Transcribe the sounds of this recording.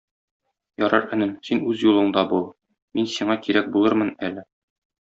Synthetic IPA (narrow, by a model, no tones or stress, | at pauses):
jɒɾɑɾɘ̆nɘmsinʉzjulˠɤ̆ɴd̪ɑbu | minsiɴɑkiɾæk̚bulˠɤɾmɤnælɘ